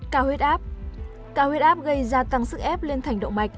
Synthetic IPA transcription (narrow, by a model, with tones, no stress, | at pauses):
kaː˧˩hwi˦˥t̚ʔaː˦˥p̚ | kaː˧˩hwe˦˥t̚ʔaː˦˥p̚ɣə˧jzaː˧t̪a˧ŋsɨ˦˥k̚ʔɛ˦˥p̚le˧nt̪ʰa˨˩jŋ̟ɗə̰˧˨wŋ͡mma˨˩k̚